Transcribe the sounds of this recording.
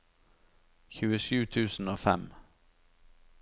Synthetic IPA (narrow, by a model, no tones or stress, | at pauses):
çʉːəʂʉ̟ːt̪ʰʉ̟ːsnoːfɛ̰m